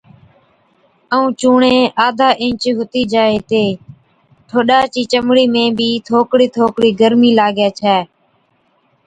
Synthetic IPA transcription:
əũːt͡ʃuːɳẽːaːd̪ʱaːʔɪ̃ːt͡ʃːɦʊt̪iːd͡ʒaːeːt̪eː | ʈʰoːɗaːt͡ʃiːt͡ʃəmɽiːmẽːbʱiːt̪ʰoːkɽiːt̪ʰoːkɽiːɡəɾmiːlaːɡjaːt͡ʃʰɛː

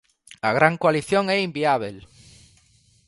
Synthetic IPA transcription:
aɣɾaŋkowaliθjoŋɛimbiaβ̞el

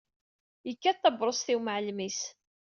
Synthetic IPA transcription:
jəkːæt̪ːɑbɾˤosθiwməʕlmis

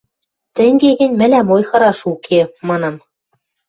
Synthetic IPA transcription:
t̪ɘ̆ŋɡeɣɘ̆nʲmɘ̆læmojxɤ̆ɾɑʃukʰemɑnɑm

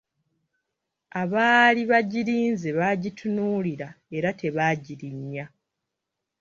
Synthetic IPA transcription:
aβaːliβaɟiɾiːnzeβaːɟitʰunuːliɾae̞ɾatʰe̞βaːɟiɾiɲːa

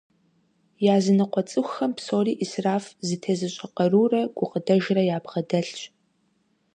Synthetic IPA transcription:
jaːzɨnɨqʷɔt͡sʼɨxʷxɐmpsoːriːʔisraːfzɨtʰɐzɨɕʼɐqɐruːrɐɡ̥ʷʊqədɐʒrɐjaːbʁɐdɐɬɕ

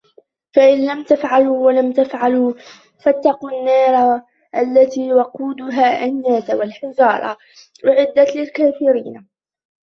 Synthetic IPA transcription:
faʔɪnlamt̪afʕaluːwalamt̪afʕaluː | fat̪ːɑquːnːɑːɾˤ | ʔalːat̪iːwɑquːd̪ʊɦaːʔanːaːt̪awalħɪd͡ʒɑːɾˤɑ̰ | wɪʕɪd̪ːalɪlkaːfɪɾiːn

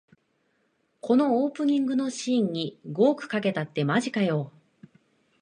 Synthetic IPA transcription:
ko̞no̞oːpɯ̟ɲ̟ĩŋɡɯ̟no̞ɕiːɲ̟ːiɡo̞ːkɯ̟̥kake̞t̪at̪ːe̞maʑikajo̞ː

